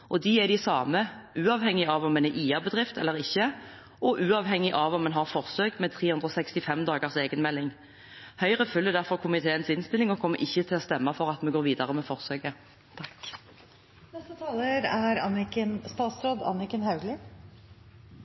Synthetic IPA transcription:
ʔɔd̪iɛd̪ɪsɑːməʔʉːɑːʋhɛŋːɪɑʋɔmːɛnɛʔiːɑbəd̪ʁɪft̪ʰɛlːəʁɪçːə | ʔɔʔʉːɑʋɦɛŋːɪʔɑʋɔmːɛnɦɑʁfɔʁsøːɡmɛt̪ʰʁeːhʉnʁɔːsɛkst̪ɪfɛmd̪ɑːɡəʁseːɡənmɛlːɪŋ | hœʏʁəfʉlːəd̪æʁfɔʁkʰʊmɪt̪ʰeːənsɪnst̪ɪlɪŋɔkʰɔmːəʔɪçːət̪ʰɪlɔst̪ɛmːɑfɔʁɑt̪mɛɡoːʁʋiːd̪ɑʁəmɛfɔʁsøːɡə | t̪ʰɑk | nɛst̪ət̪ʰɑːləɾæɾɑnɪkənst̪ɑːt̪sɾoːd̪ɑ̰nɪkənhɑʉɡlɪ

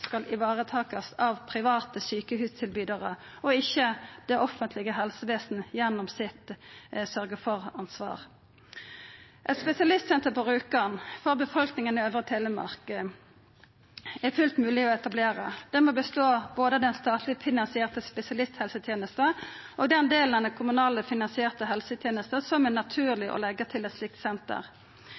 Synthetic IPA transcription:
skɑlɪʋɑːʁət̪ʰɑːkəsɑʋpʰʁɪʋɑːt̪əsyːkəhʉːst̪ʰɪlbyːd̪əʁəɔɪçːəd̪̥ɛʔɔfənt̪ʰlɪɡəɦɛlsəʋeːsn̩jɛnːɔmsɪt̪sœʁɡəfɔʁɑnsʋɑ̰ːʁ | ʔɛt̪spɛsɪɑlɪst̪sɛnt̪əʁpɔʁʉːkɑnfɔʁbəfɔlknɪŋənɪøːʋʁət̪ʰeːləmɑ̰ʁkə | ɛfʉlt̪mʉːlɪɔɛt̪ɑbleːʁə̰d̪̥ɛmoːbəst̪oːboːd̪əd̪ɛnst̪ɑːt̪ʰlɪfɪnɑnsɪeːʁt̪əspɛsɪɑlɪst̪hɛlsət̪ʰjeːnəst̪əʔɔɡd̪ɛnd̪eːlnɛnd̪ɛkʰʊmʉnɑːləfɪnɑnsɪeːʁt̪əɦɛlsət̪ʰjeːnəst̪əsɔmɛnɑt̪ʰʉːʁlɪʔɔ̰lɛɡət̪ʰɪlɛt̪slɪk̚t̪sɛnt̪ə̰ʁ

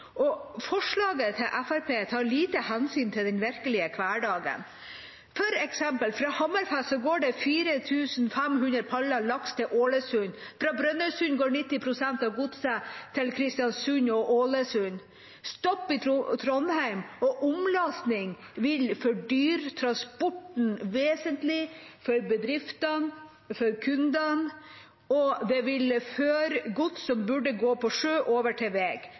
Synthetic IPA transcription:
ʔɔfɔʂɭɑːɡət̪ʰɪlʔæfæɾpeːt̪ʰɑːɾɭiːt̪əhɛnsyːnt̪ʰɪld̪ɛnʋɪɾkəlɪəkʰʋæːɖɑːɡə̰n | pʰœɾɛksɛmpəlfɾɑːhɑmæɾfæsɔɡoːɖɛfiːɾət̪ʰʉːsn̩fɛmɦʉnɾəpʰɑlɑɭɑkst̪ʰɪʔoːləsʉnfɾɑːbɾœnœsʉnɡoːɳɪt̪ːɪpʰɾʊsɛnt̪ɑʋɡʊd̪sət̪ʰɪlkʰɾɪst̪ɪjɑnsʉɲɔʔoːləsʉn | st̪ɔpːɪt̪t̪ʰɾɔnhæɪmɔʔʊmlɑsnɪŋ | ʋɪlfɔɖyːɾt̪ʰɾɑnspɔʈn̩ʋeːsənt̪lɪfɔɾbəd̪ɾɪft̪ɑn | fɔɾkʰʉnd̪ɑn | ɔd̪ɛʋɪlføːɾɡʊt̪sɔmbʉɖəɡoːpʰɔʂøːʔoːʋəʈʰɛʋeːɡ̥

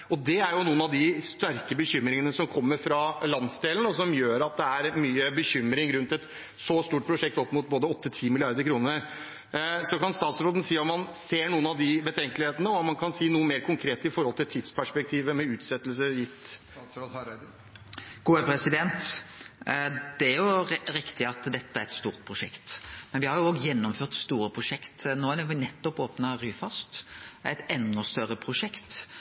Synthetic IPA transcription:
ɔd̪ɛæɾjʊnuːənɑʋd̪ɪst̪æɾkəbəçʏmːɾɪŋənəsɔmkʰɔmːəɾfɾɑlɑnsd̪eːln̩ɔsɔmjøːɾɑt̪̚d̪ɛæɾmyːəbəçʏmːɾɪŋɾʉnt̪ɛt̪ | sɔst̪uːʈ̚pʰɾʊʂɛk̚t̪ɔpːmuːt̪̚boːd̪əɔt̪ːət̪ʰiːmɪlɪɑɾd̪əɾkʰɾuːnəɾ | sɔkɑnst̪ɑːt̪sɾoːd̪ən̩siːɔmmɑnseːɳuːənɑʋd̪ɪbət̪ʰɛŋkəlɪheːt̪ənəɔɔmɑnkʰɑnsiːnuːəmeːɾkʰʊŋkʰɾeːt̪əɪfɔɾhɔlt̪ʰɪlt̪ʰiːd̪spʰæʂpɛk̚t̪ʰiːʋəmɛʉːt̪sɛt̪ːəlsəjɪt̪ː | ɡ̥uːəpʰɾɛsɪd̪ɛnt̪ | d̪ɛæɾjʊɾɪkt̪ɪɑt̪d̪ɛt̪ːəæɾɛt̪st̪uːʁt̪̚pʰɾʊʂɛkt̪mɛnʋɪhɑɾjʊoːɡjɛnːɔmføːʁt̪st̪uːɾəpʰɾʊʂɛkt̪noːædɛɔnɛt̪ːɔpoːpnɑʁyːfɑst̪æɪt̪ɛnːɔst̪œɾəpʰɾʊʂɛkt̪

